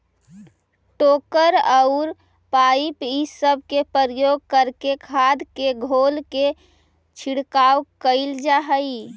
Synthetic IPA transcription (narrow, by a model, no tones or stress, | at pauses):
ʈoːkəɾəʊɾ | paipisəb̚ʱkepəɾjoɡ̚kəɾkekʰad̪ʱkeɡʱolke | t͡ʃʰiɽkawkəɪld͡ʒaɦəi